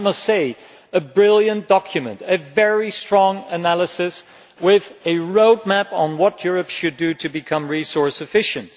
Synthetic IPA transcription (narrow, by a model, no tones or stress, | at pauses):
mʌstseɪ | ɨbɹɪlˠjɨ̃nd̥ɑkʰjɨmɨ̰̃ntɨvɛɹistɹ̥ɔ̃ŋɨnælˠəsɨs | wɪðɨɹoʊd̚mæpn̩wʌt̚jʊɹɨpʃɨdɨɾɨbɨkʰʌ̃mɹisɔɹsɨfɪʃɨ̃nt̚